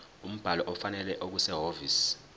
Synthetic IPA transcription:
um̩b̥ʱalɔʔɔfanɛlɛʔok̬usɛɦoviːs

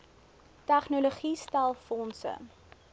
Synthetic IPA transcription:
tæχnoloχistælˠfɔnsə̰

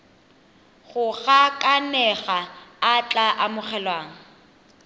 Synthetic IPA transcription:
ɣʊɣakʼanɛɣaːt͡ɬʼaʔamʊχɛlwaːŋ̩

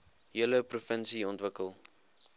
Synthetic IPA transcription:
ɦiələprufənsiɔntvəkəlˠ

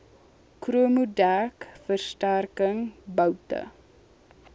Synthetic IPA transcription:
kruəmudækfərstærkəŋbəwtə̰

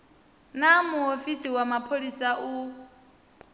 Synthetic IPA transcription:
namuɦofisiwamapʰolisaʔu

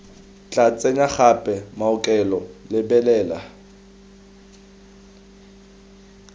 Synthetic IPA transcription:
t͡ɬʼat͡sʼɛɲaχapʼɛmaʊkʼɛlɔlɪbɛlɛːla̰

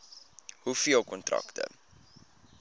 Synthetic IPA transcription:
hufiəlˠkɔntrɐ̰ktə̰

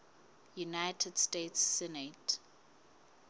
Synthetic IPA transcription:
junajtʰɛd̥stetsːɛnet

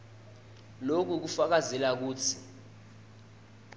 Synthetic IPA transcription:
lok̬uk̬ufak̬azɛlak̬uːt͡sʰi

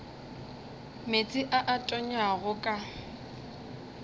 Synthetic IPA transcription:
met͡sʼɪʔaʔatʼɔɲaɣʊkʼa

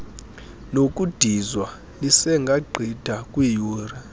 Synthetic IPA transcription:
nokʼud̥ʱizwa | lisɛŋɡʱaɡ͡ǃʱid̥ʱakʼwijuːra

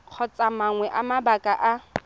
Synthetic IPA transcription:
q͡χʰɔt͡sʼamaŋwɛʔamabakʼaʔa

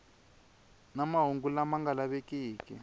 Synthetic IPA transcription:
namaɦuŋɡulamaŋɡalaβekʼiːkʼḭ

